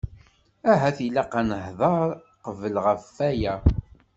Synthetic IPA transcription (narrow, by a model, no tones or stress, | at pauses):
æɦæθilɑqanəhðˤɑɾ | qəvəlʁəfːæjæ